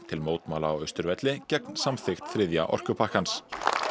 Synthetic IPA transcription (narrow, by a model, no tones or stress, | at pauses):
t̪ʰɪlmoːwt̪maːlaːwœɥst̪ʏɾvɛt̪lɪcɛknsamθɪxt̪θɾɪðja̰ʔɔ̰r̥kʏpʰahkans